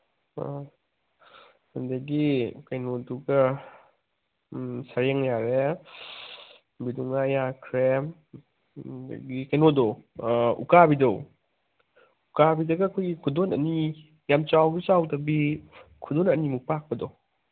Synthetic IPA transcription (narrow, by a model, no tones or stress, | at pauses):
ɐndɐɡikɐjnoduɡɐ | sɐɾjeŋjaɾe | biduŋajakʰɾe | d̰ɡikɐjnodo | ṵkabidow | ukabidɐɡɐːkʰojɡikʰudonɐ̰ni | jamt͡ʃawɡit͡ʃawdɐbikʰudonɐnimuk̚pak̚pɐdo